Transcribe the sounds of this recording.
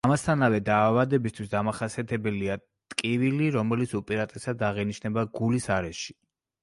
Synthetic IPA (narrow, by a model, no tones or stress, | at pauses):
amast̪ʰanavɛd̪aːvad̪ɛbist̪ʰwisd̪amaχasiat̪ʰɛbɛlia | t̪ʼkʼiviliɾɔmɛlit̪sʰupʼɛɾat̪ʼɛsad̪aʁɛniʃnɛbaɡulisaɾɛʃi̥